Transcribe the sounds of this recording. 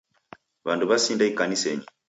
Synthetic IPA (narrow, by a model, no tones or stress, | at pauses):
βanduβasindaikanisɛɲi